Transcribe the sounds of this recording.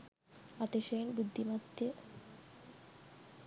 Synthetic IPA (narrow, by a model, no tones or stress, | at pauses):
at̪eʃejnbud̪ʱːimat̪ːe